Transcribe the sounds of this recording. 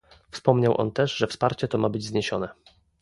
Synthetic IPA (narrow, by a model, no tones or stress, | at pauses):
fspɔmɲawʔɔ̰nt̪ɛʐʐɛfspaɾt͡ɕɛt̪ɔmabɘd͡ʑzɲeɕɔnɛ